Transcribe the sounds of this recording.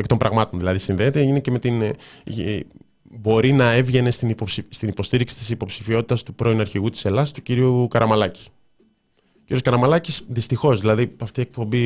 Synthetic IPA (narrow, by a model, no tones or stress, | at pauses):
ekit̪ombɾʔɐɣmɐt̪o̞nðilɐðisinðe̞ːt̪e̞ine̞ceme̞t̪in | bo̞ɾinɐe̞vʝe̞ne̞st̪inosst̪inipo̞st̪iɾiksi̥t̪i̥sipo̞psi̥fio̞t̪i̥t̪ɐst̪upɾo̞inɐɾçiɣut̪i̥se̞lɐsi̥t̪uciɾiukɐɾʔɐmɐlɐci̥ | ocʲiɾioskɐɾɐmɐlɐcisðist̪ixo̞zðilɐðiɐft̪iek̚po̞mbi